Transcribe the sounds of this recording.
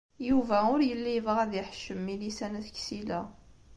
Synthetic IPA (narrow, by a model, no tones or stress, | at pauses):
juvæʊɾjəlːivəʁæðjəħʃəmːilisænæθçsilæ